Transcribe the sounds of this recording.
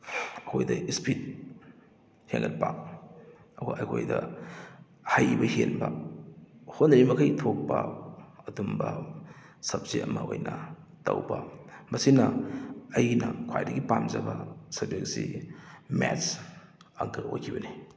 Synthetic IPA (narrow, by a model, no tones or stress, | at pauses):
ɐkʰojdɐispʰit̚ | heŋɡɐt̚pak̚ | ɐwɐʔɐkʰojdɐ | hajbɐhenbɐ | hondɐɾimɐkʰɐjtʰok̚pɐɐdumbɐ | sɐp̚zeʔɐmɐojnɐ | tɐwbɐmɐsinɐɐjnɐkʰajdɐɡipamzɐbɐsɐbek̚si | mɛts | aɡɯojkʰibɐni